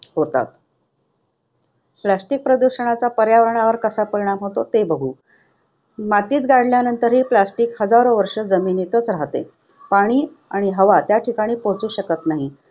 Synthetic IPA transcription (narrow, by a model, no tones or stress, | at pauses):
ɦot̪a̰t̪̚ | plasʈik̚pɾəd̪uɕəɳ̃at͡sapəɾjaʋəɾəɳaʋəɾkəsapəɾiɽ̃amɦot̪ot̪ebəɡʱuː | mat̪iːt̪ɡaɽljanənt̪əɾɦiːplasʈiːkhəd͡zaɾoʋəɾʂəd͡zəminit̪ət͡sɾaɦt̪ḛ | paɽ̃iː | aɽ̃iɦəʋat̪jaʈʰikaɽ̃iːpot͡suːɕəkət̪naɦi